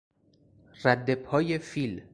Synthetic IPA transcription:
ɾræd̪ːepʰɒːjefiːl

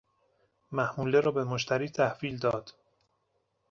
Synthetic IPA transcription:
mæhmuːleɾɒːbe̞moʃt̪ʰæɾiːt̪ʰæhviːld̪ɒːd̪̥

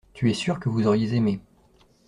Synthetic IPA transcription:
t̪yɛsyʁkəvuzɔʁjezeme

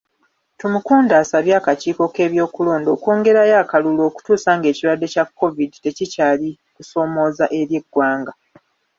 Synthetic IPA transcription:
tumukuːndaːsaβjaːkaciːko̞ke̞ːβjo̞ːkulo̞ːndo̞ːko̞ːŋɡe̞ɾajaːkalulo̞ːku̥tuːsaːŋɡe̞ːciɾwadːe̞cakːo̞vidite̞cicaːli | kuso̞ːmo̞ːzaʔe̞ɾje̞ɡːwaːŋɡa

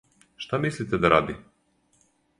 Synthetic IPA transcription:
ʃt̪amislit̪ɛd̪aɾa̰d̪i

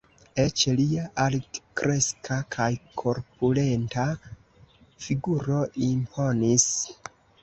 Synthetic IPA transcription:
et͡ʃliaʔaltkɾe̞skʰakʰajkʰoɾpulenta | fiɡuɾo̞ʔimpʰo̞nis

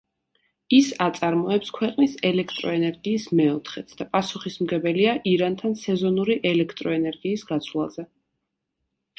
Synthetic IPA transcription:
isat̪sʼaɾmɔɛpskʰwɛqʼnisɛlɛkʰt̪ʼɾɔɛnɛɾɡiːsmɛɔt̪ʰχɛt̪sʰd̪̥apʼasuχismɡɛbɛliaʔiɾant̪ʰansɛzɔnuɾiʔɛlɛkʰt̪ʼɾɔɛnɛɾɡiːsɡat̪sʰvlˠa̰zɛ

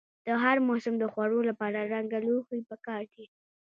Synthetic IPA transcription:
d̪̥əɦaɾmosʊmd̪əxwaɽolapɑɾaɾaŋɡaloxipəkɑɾd̪i

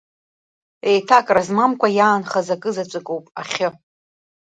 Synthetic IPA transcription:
e̞jtʰakʼrazmamkʷʰajaːnχazakʼɨzat͡ʃʷʼɨkʼowpʼaχʲɪ

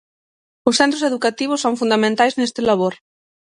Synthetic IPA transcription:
ʊsθẽnt̪ɾoseðukat̪iβ̞ʊsːoŋfund̪amẽnt̪ajznest̪ɪlaβ̞oɾ

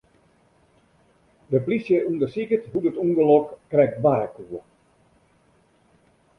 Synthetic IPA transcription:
dəplisjəʔundəsikətɦudətunɡəlɔkkːrɛk̚t̚baːkuə

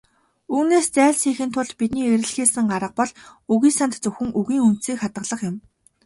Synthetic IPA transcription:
uːneːst͡sæːɮsiːxɘ̆nt̪ʰʊɮt̪pit̪niːeɾɘ̆ɮxeːsɘ̆ŋɢaɾə̆q̚pɔɮuɣiːsant̪t͡sɵxɘ̆ŋʔɵɣiːŋun̥t̪siːkχat̪ə̆ɮə̆χjɪ̆m

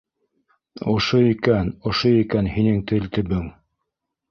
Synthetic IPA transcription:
ŏʃoikænŏʃoikænhinɘŋt̪ɘ̆lt̪ɵ̆βɘŋ

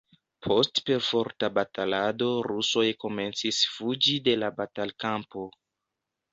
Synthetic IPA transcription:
pʰo̞stpe̞ɾfo̞ɾtabatalado̞ɾuso̞jko̞me̞nt͡sisfud͡ʒide̞labatalkampo̞

